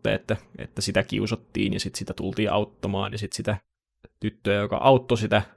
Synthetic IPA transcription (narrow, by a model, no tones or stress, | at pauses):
ḛḛt̪ːæḛt̪ːæsit̪ækḭusɑt̪ːḭːnjɑsit̪sit̪æt̪ṵlt̪iːʔɑ̰ut̪ːɑmɑ̰ːnjɑsit̪sit̪æ | t̪yt̪ːøːjokɑ̰ʔɑut̪ːosit̪æ